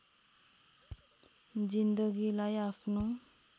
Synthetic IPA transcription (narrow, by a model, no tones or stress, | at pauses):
d͡zind̪ʌɡilajapʰno